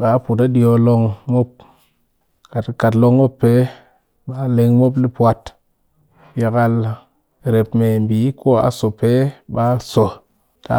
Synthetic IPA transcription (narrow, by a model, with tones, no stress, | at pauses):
ɓa˨˦pu˨ta˦ɗi˦jo˧lo˧ŋmo˦p̚ | ka˨tka˨tlo˦ŋmo˦pːe˨˦ | ɓa˦le˨ŋmo˦pli˦pwa˨t | ji˨ka˦l | ɾe˨pme˨mbi˨˦ko˦a̰˨so˨pe˦ɓa˦so˨ | ta̰˨˦